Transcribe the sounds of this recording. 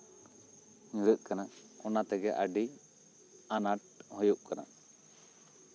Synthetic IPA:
ɲũɾəʔ̪̚kanaʔɔnat̪ɛɡɛʔa̰ɖi | anaʈ̚hɔjuʔ̚kanaʔ

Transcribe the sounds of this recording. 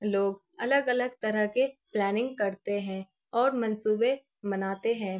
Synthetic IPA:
loːɡ | ɐləɡɐləɡ̚t̪ɐɾəɦkeplɛːnɪ̃ŋɡkɐɾt̪eɦɛ̃ | ɔːɾmɐ̃nsuːbe | mɐnaːt̪eɦɛ̃ː

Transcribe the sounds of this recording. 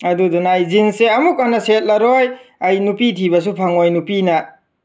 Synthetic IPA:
adudɔnajzinseɐmukanaset̚laɾojajnupitʰibas̬upʰaŋojnupina

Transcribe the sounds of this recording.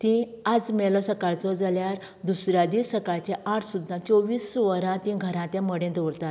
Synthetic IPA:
t̪ĩ | ad͡zmɛlɔsəkaɭt͡sɔd͡zaljaɾ | d̪usɾjad̪isəkaɭt͡ɕɛ̃ʔãʈʰsud̪ːãt͡sɔʋiːsʋəɾãt̪ĩɡʱəɾãt̪ɛ̃məɽẽd̪ɔɾt̪at̪

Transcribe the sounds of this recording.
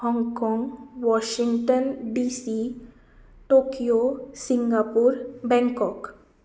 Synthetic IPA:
hɔ̃ːŋɡkɔ̃ːŋɡʋɔːʃɪ̃ŋɡʈənɖiːsi | ʈoːkijosɪ̃ŋɡaːpuɾbɛ̃ŋkɔːk

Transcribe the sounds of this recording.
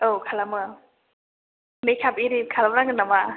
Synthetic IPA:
okʰalamɯ | mejkʰapiɾikʰalamɾaɡɯnama

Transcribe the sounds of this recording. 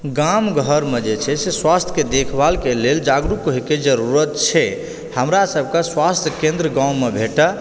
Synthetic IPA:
ɡamɡʱəɾmed͡ʒet͡ʃʰɛseswast̪ʰked̪ekʰbalkeleld͡ʒaɡɾukɦeked͡ʒəɾuɾət̪t͡ʃʰɛ | həmɾasəbʱkaswast̪ʰjəkẽnd̪ɾəɡãumebʱeʈə

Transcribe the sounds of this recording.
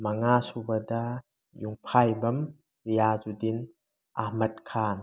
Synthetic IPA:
mɐŋasubɐdɐ | juŋpʰajbɐm | ɾijazudin | ahmɐt̚kʰaːn

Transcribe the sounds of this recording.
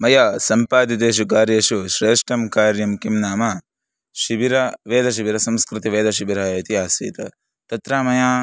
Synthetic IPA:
mɐjaːsɐmpaːt̪it̪̬eːʃ̬ukaːɾjeːʃuʃɾeːʂʈɐmkaːɾjɐmkimnaːmɐ | ʃiʋiɾɐʋeːd̪ʱɐʃ̬iʋiɾɐsɐ̃mskɾɪt̪iʋeːd̪ɐʃibiɾɐːit̪iaːsḭːt̪ɐ̰ | t̪ɐt̪ɾaːmɐjaː

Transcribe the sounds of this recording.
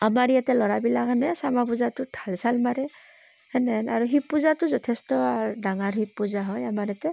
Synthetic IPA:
amaɹijatɛlɔɹabilakanɛsamapuzatʊtʰalsalmaɹɛ | hɛnɛnaɹuɦipːuzatʊzɔtʰɛstɔdaŋaɹɦipːuzaɦɔjamaɹijatɛ

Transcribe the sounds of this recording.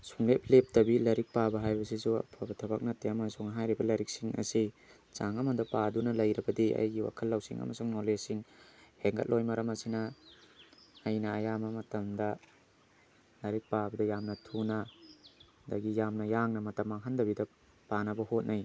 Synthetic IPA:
suŋlep̚lep̚tɐbilɐɾik̚pabɐɦajbɐs̬isuɐ̰pʰabɐtʰɐbak̚nɐtːeɐmɐsuŋɦajɾibɐlɐɾik̚siŋɐ̰si | t͡ʃaŋɐmɐdɐpadunɐlɐjɾɐbɐdiɐ̰jɡiwa̰kʰɐlːɐwsḭŋɐ̰mɐsuŋnolesiŋheŋɡɐ̰t̚lojmɐɾɐmɐsinɐ | jnɐːjamɐmɐtɐmdɐ | lɐɾik̚pabɐdɐjamnɐtʰunɐ | dɐɡijamnɐjaŋnɐmɐtɐmaŋɦandɐbidɐ | panɐbɐhot̚naj

